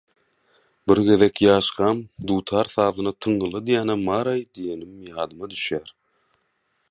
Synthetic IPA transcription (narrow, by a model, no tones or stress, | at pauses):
biɾɡe̞ðekjɑːʃqɑmd̪uːt̪ʰɑːɾθɑːðɯnɯt̪ʰɯɴːɯlˠɯd̪ijæːnæmɑːɾɑjd̪ije̞nimjɑːd̪ɯmɑd̪yʃjæːɾ